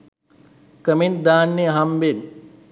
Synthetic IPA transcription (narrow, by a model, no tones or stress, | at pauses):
kəmend̪aːnːeɐɦamʋen